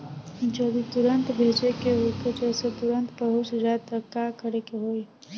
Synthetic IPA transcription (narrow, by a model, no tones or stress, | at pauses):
d͡ʒəd̪it̪ʊɾə̃nt̪bʱeːd͡ʒekeɦoked͡ʒɛːset̪ʊɾə̃nt̪pəɦʊt͡ʃɾaːt̪əkakəɾekeɦoːi